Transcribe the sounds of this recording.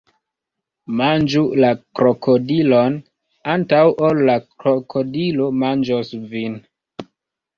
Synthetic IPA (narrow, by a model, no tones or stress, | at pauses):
mand͡ʒulakɾokʰodilon | antawʔolːakɾokʰodilo̞mand͡ʒosvin